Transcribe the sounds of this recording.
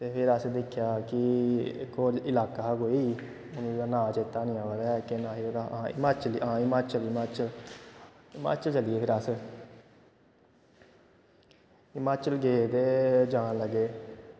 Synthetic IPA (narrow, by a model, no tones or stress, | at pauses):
t̪eːpʰɪɾəsd̪ɪkʰːjaːkɪkoːɾɪlaːkaːkoːiː | onũːaːnãːt͡ʃeːt̪ːaːnɪ̃jãːəd̪ɛːkɪnãːiod̪aãɪ̰maːt͡ʃəliãːɪmaːt͡ʃəlɪmaːt͡ʃəl | ɪma̰ːt͡ʃəlt͡ʃəlieːpʰɪɾəs | ɪmaːt͡ʃəlɡeːd̪eːd͡ʒãːnləɡeː